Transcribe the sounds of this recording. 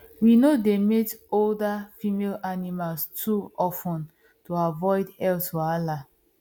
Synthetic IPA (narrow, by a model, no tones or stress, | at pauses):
winodemetoldafimelanimalstʰuɔfũn | toavɔɪdhɛltoala